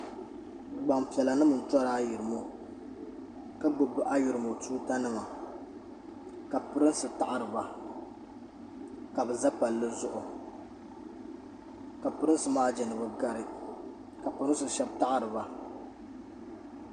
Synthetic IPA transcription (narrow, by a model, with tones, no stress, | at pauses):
ɡ͡ba˨ŋpi˨ɛ˨la˨nɨ˦mɨ˨n̩˨tɔ˦ɾaː˦ji˨ɾɨ˨mo˦ | ka˦ɡ͡bʊ˨bɨ˦ʔa˦ju˨ɾɨ˨mo˨tuː˦ta˦nɨ˦ma˨ | ka˨pɨ˦ɾɨ˦n˦sɨ˨ta˦ʔa˦ɾɨ˨ba˨ | ka˨bɛ˨za˦pa˨lːɨ˦zʊ˦ʔʊ˨ | ka˨pɨ˦ɾɨ˦n˦sɨ˦maː˦d͡ʒɛ˨nɨ˨bɨ˨ɡa˦ɾɨ˦ | ka˨pɨ˨ɾɨ˦n˦sɨ˨ʃɛ˦b̚ta˦ʔa˦ɾɨ˨ba˨